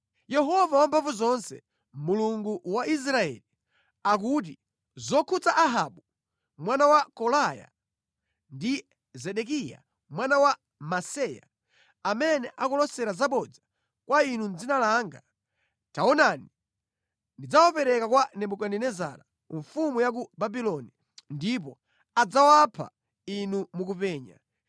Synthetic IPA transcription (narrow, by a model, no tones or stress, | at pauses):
jɛɦɔvawampʰaɱfuzɔnsɛ̰ | muluŋɡuwaʔis̬ɾaɛ̰li | ak̬ut̬i | zɔkʰut͡saʔaɦaɓu | mwanawakɔlaja̰ | ndi | zɛɗɛk̬ija̰ | mwanawa | masɛja̰ | amɛnɛʔakɔlɔsɛɾazaɓɔd͡za | kwainund͡zinalaŋɡa | taɔnani | ndid͡zawapɛɾɛkakwanɛɓukanɛnɛza̰ɾa | ɱfumujak̬ubabilɔni | ndip̬ɔ | ad͡zawapʰa̰ | inumukupɛːɲa̰